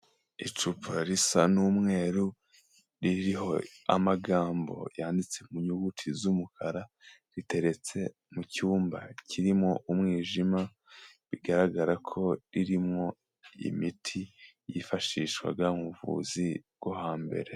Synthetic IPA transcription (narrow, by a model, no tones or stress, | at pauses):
it͡ʃupʰaɾisanumŋe̞ːɾu | ɾiɾiɦo̞a̰maɡaːmbo̞̰jaːndit͡se̞muɲuɡutʰizumukʰaɾaɾite̞ɾe̞t͡se̞ | mucuːmba̰cʰiɾimŋo̞ʔumŋiːʒima | βiɡaɾaɡaɾakʰo̞ɾiɾimŋo̞ | ḭmitʰijifaʃiʃkwa̰ɡamuvṵziɡ̥wohaːmbe̞̰ɾe̞